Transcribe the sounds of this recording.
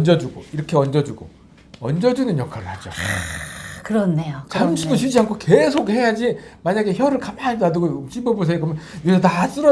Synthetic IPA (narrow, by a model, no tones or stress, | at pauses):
ʌnd͡ʑʌd͡ʑuɡoiɾʌkʰe̞ʌnd͡ʑʌd͡ʑuɡo | ʌnd͡ʑʌd͡ʑunɯnjʌkʰaɾɯɭhad͡ʑo | kɯɾʌnːe̞ot͡ɕamɕʰidoɕʰid͡ʑiɦankʰoke̞sʰok̚he̞jad͡ʑimaɲaɡe̞çjʌɾɯɭkamaɭdadɯɡot͡ɕ͈ʰibobus̬ʰeɡʌmjʌnuetas͈ɯɾʌ